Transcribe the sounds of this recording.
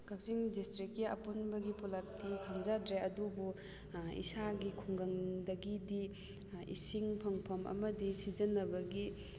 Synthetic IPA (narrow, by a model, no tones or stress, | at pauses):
kak̚ziŋdistɾikjɐ̰punbɐɡipulak̚tikʰaŋzadɾeɐdubu | ḭsaɡikʰuŋɡɐŋdɐɡidi | ḭsiŋpʰɐŋpʰɐmɐ̰mɐdisizɐnɐbɐɡi